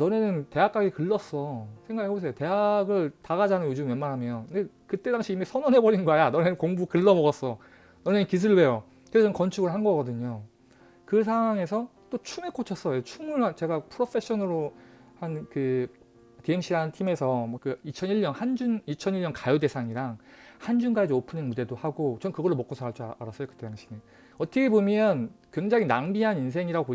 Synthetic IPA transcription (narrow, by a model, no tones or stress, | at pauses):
nʌnenɯnte̞ɦak͈ʰaɡikɯɭːʌs͈ʌsʰe̞ŋɡaɡɯɦebos̬ʰejote̞ɦaɡɯɭtaɣad͡ʑanɯnjod͡ʑumjʌnmaɾɦamjʌoɯnde | kɯt͈e̞daŋɕʰiːmisʰʌnʌnɦebʌɾinɡoajanʌne̞nɯnkoŋbukɯɭːʌmʌɡʌs͈ʌ | nʌne̞nɯnkis̬ʰuɭwe̞jo | kɯesʰʌkʌnt͡ɕʰuɡɯɭhanɡʌɡʌdɯɲo | kɯs̬ʰawaŋe̞sʰʌt͈ot͡ɕʰumek͈ʰot͡ɕʰʌs͈ʌjot͡ɕʰumɯɭat͡ɕe̞ɡapʰɯɾopʰe̞ɕ͈ʰʌnɯɾo | hankɯ | teeŋɕ͈ʰiɾantʰime̞sʰʌmwʌkɯit͡ɕʰʌniɭɲʌnhand͡ʑunit͡ɕʰʌniʎɲʌnkajode̞sʰaŋiɾaŋhand͡ʑunɡaed͡ʑiopʰɯnɯnmude̞dohaɡot͡ɕʌmkɯɡʌɭːomʌk͈osʰaaɭt͡ɕ͈ʰuaɾas͈ʌjokɯ̥t͈ejaŋɕʰine | ʌt͈ʌkʰebomjʌnkwe̞ŋd͡ʑaŋinaŋbiɦanins̬ʰe̞ŋiɾaɡoo